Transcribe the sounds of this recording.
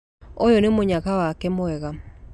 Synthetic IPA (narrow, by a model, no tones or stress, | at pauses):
ojɔnemoɲakawakɛmoɛɣa